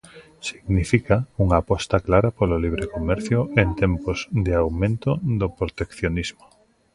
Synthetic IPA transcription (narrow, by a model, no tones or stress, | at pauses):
siɡnifikauŋaːpɔst̪aklaɾapololiβ̞ɾekomɛɾθjʊʔent̪empʊzd̪ɪawmẽnt̪ʊðopɾot̪ekθjonizmo